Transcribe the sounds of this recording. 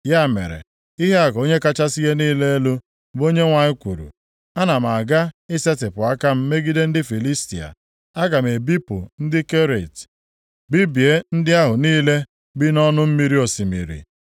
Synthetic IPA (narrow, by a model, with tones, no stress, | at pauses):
ja˦˨mḛ˨ɾḛ˨ | i˦ɦe˦a˨ko˦ɲe˦ka˦t͡ʃa˦si˦ɦe˦niː˦le˦e˦lu˦ | bo˦ɲe˦ŋʷa˨ɲɪ˦kʷu˨ɾṵ˨ | a˦na˨m˨a˨ɡa˦ɪ˦se˦tɪ˨pʊ˨a˦ka˦m̩˦me˦ɡi˦de˦n̩˦dɪ˦fi˨li˦stḭ˨a̰˨ | a˦ɡa˨m˨e˨bi˦pʊ˨n̩˦dɪ˦ke˦ɾe˨t | bi˦bi˨e˦n̩˦dɪ˦a˦ɦʊ˨niː˦le˦ | bi˦nɔ˦nʊ˦m̩˦mi˨ɾi˦o˨si˨mḭ˨ɾḭ˨